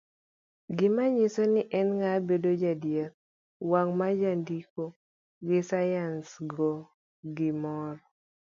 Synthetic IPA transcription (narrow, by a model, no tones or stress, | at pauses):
ɡɪmaɲɪsonɪʔɛnŋabedod͡ʒadjɛk̚ | waŋmad͡ʒandiko | ɡɪsajansɡɔ | ɡɪmɔr